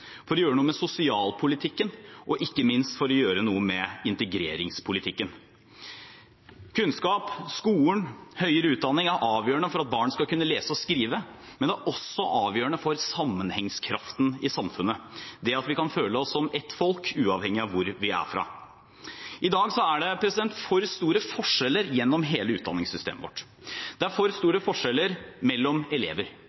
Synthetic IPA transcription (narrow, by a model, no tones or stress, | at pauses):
fɔɾɔjøːɾənuːəmɛsʊsɪɑːlpʰʊlɪt̪ʰɪkːənʔɔʔɪkːəmɪnst̪fɔɾɔjøːɾənuːəmɛɪnt̪əɡɾeːɾɪŋspʰʊlɪt̪ʰɪkːən | kʰʉnskɑːpskuːənhœʏəɾəʉːt̪̚d̪ɑnːɪŋæɾʔɑːʋjøːəɳəfɔɾɑt̪̚bɑːɳskɑlkʉnːəleːsəɔskɾiːʋəmɛnd̪ɛæɾʔɔsːɔʔɑːʋjøːɳəfɔɾsɑmːənhɛŋskʰɾɑ̰ft̪n̩ɪsɑmfʉnːəd̪ɛɑt̪ʋɪkɑnføːləɔsːɔmɛt̪ːfɔlkʰʉːɑːʋhɛŋːɪɑʋʋʊɾʋɪæ̰fɾɑ̰ː | ʔɪd̪ɑːɡsɔæɖɛpʰɾɛsɪd̪ɛnt̪fɔɾst̪uːɾəfɔʂɛlːəɾjɛnːɔmɦeːləʉːt̪̚d̪ɑnːɪŋsʏst̪ḛːməʋɔ̰ʈː | d̪̥ɛæɾfɔɾst̪uːɾəfɔʂɛlːəɾmɛlːɔmɛlḛːʋəɾ